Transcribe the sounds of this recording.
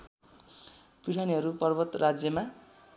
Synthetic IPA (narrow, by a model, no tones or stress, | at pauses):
piɽʰaniɦʌɾupʌrbʌt̪rad͡zjʌma